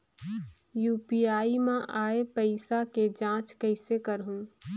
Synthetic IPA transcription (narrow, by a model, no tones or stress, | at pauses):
juːpiːaːimãʔaːepəɪsaked͡ʒãːt͡ʃkəɪsekəɾɦũː